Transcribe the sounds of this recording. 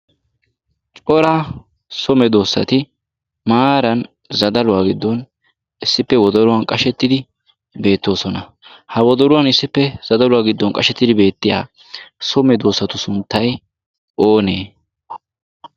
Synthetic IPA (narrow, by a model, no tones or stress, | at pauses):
t͡ʃʼɔɾa | sɔmɛd̪o̞ːsːɐ̰t̪ɪ | maːɾɐn | zɐd̪ɐlʊwaːɡɪd̪ːɔn | ɪsːɪpːɛwɔd̪ɔɾʊwɐnkʼɐʃɛt̪ːɪd̪ɪ | be̞ːt̪ːo̞ːsɔnɐ | hɐwɔd̪ɔɾʊwɐnɪsːɪpːɛz̥ɐd̪ɐlʊwaːɡɪd̪ːɔnkʼɐʃɛt̪ːɪd̪ɪbe̞ːt̪ːɪja̰ː | sɔmɛd̪o̞ːsːɐt̪ʊsʊnt̪ːɐj | ʔo̞ːneː